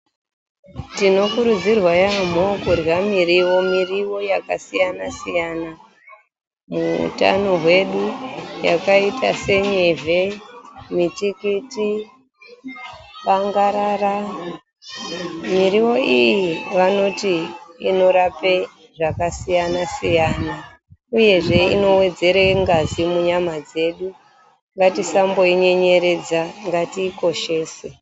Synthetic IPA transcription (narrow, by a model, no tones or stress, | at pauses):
tino̞kuɾud͡zirwajam̤okurwamiriwo̞miriwo̞jakasijanasijana | muṵta̰no̞ɦwe̞ɗujakaitase̞ɲevemitikiti | paŋɡaɾara | miɾiwo̞ijiʋano̞tiino̞ɾape | ʐakasijanasijaːna | uje̞ʐe̞ḭno̞we̞d͡ze̞ɾeŋɡazimuɲamad͡ze̞ɗu | ŋɡatisambo̞iɲe̞ɲe̞ɾe̞d͡zaŋɡatiːko̞ʃe̞ːse